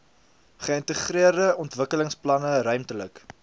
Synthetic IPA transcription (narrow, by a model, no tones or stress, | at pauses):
χəəntəχriərdəɔntvəkələŋsplɐnəɾœɥmtələk